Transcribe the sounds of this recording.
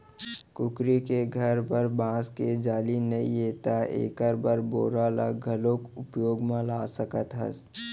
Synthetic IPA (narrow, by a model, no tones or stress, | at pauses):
kʊkɾikeɡʱəɾpəɾbãːsked͡ʒaːlinɐijeːt̪aḛːkəɾbəɾboːɾaːla̰ɡʱəlõkʊpjoːɡmãlaːsəkət̪ɦə̰s